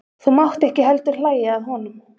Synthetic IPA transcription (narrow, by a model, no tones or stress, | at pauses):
θumawht̪ɛhcɪɦɛlt̪ʏɾ̥laːjaaðɦɔnʏm